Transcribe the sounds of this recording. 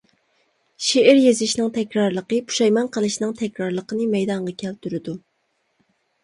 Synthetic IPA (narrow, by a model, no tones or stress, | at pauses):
ʃeʔɪɾjezɪʃnɨŋt̪ʰɛkʲɾɑɾlˠəqəpʰu̥ʃɑjmɑnqʰəlˠɨʃnɨŋt̪ʰɛkʲɾɑɾlˠəqənɨmɛjd̪ɑɴʁɑkʲʰɛlt̪ʰyɾɪd̪u